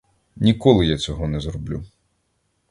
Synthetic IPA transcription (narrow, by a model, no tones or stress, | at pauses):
nʲikɔlˠɪjat͡sʲɔɦɔnɛzɾɔblʲu